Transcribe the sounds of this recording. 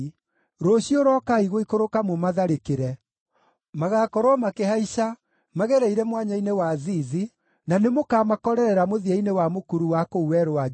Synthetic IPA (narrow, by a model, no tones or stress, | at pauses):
ɾoɕioɾɔkaiɣoikoɾokamomaðaɾekeɾɛ | maɣakɔɾwɔmakeɦaiʃa | maɣɛɾɛiɾɛmwaɲainewaðiːði | nanemokaːmakɔɾɛɾɛɾamoðiainewamokuɾuwakouɛɾoa